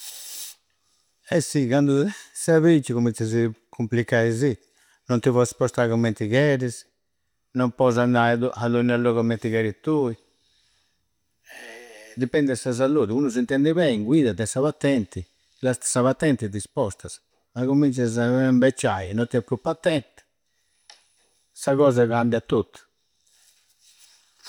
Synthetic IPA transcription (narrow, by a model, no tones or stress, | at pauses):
ɛsːikand̪usaβit͡ʃːiɣuminsazikʰumplikːaizi | nɔnt̪ivɔspɔst̪aɣɔmːɛnt̪iɣɛɾiz | nɔmpɔzand̪aðuʔaðunalɔɣɔmɛnt̪iɣɛɾit̪ːui | ɛd̪ipɛnd̪ɛsazaluːðiunuzint̪ɛnd̪ɛβɛŋɡwiːðad̪ɛsaβat̪ːɛnt̪i | last̪saβat̪ːɛnt̪id̪ispɔst̪az | maɣumint͡ʃazaɛmbɛt͡ʃːajnɔt̪ːiɛpupːat̪ːɛnt̪ | saɣɔːzaɣambjat̪ːut̪ː